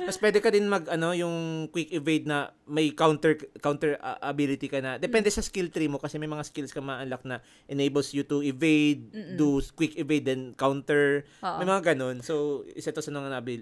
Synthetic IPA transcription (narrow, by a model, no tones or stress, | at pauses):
mɐspwɛːd̪ɛkɐd̪ɪnmɐɡɐno̞jʊŋkwɪkɪvejd̪̚nɐmɐjkawnt̪ɛɹkawnt̪ɛɹʔɐbɪlɪt̪ikɐnɐd̪ɛpɛnd̪ɛsɐskɪlt̪ɾimokɐsɛmɐjmɐŋaskɪlskɐmaʔɐlak̚nɐ | ʔɛnejbɛlsjʊt̪ʊʔɪvejd̪̚d̪uskwɪkɪvejd̪ɛnkawnt̪ɛɹ | mɐjmɐŋaɡɐno̞nsowʔɪsɐt̪osɐnɐŋanɐʔɐbil